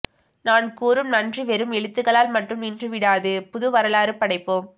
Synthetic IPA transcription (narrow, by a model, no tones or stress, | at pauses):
naːnkuːɾɯmnɐndriʋɛɾɯmɛɭɯt̪ːɯɣɐɭaːlmɐʈrɯmɪndrɯʋɪɽaːðɯpʊðɯʋɐɾɐlaːɾɯpːɐɽɐɪpːoːm